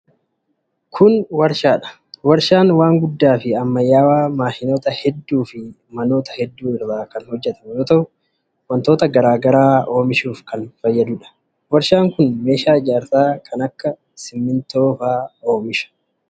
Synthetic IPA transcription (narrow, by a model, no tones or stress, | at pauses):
kʰʊnwɐɾʃaːᶑɐ̥ | wɐɾʃaːnwaːŋɡʊd̪ːaːfɪɐmːɐjːaːwaːmaːhɪno̞ːt̪ɐhɛd̪ːuːfɪ | mɐno̞ːt̪ɐhɛd̪ːuːɪrːaːkɐnhɔd͡ʒːɛt̪ɐmjoːt̪ɐʊ | wɐnt̪oːt̪ɐɡɐɾaːɡɐɾaːo̞ːmɪʃuːfkɐnfɐjːɐd̪ʊᶑɐ̥ | wɐɾʃaːŋkʊnme̞ːʃaːɪd͡ʒaːɾt̪aːkʰɐnɐkːɐ | sɪmːɪnt̪o̞ːfaːoːmɪʃɐ̥